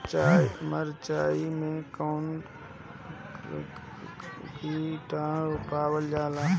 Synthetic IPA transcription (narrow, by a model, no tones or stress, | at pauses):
məɾt͡ʃaːimẽkoːn | kiʈaːʊpaːʋəld͡ʒaːlaː